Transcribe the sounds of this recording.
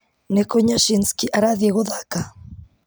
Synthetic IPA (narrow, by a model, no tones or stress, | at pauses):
nekoɲaʃinskiʔaɾaðieɣoðaka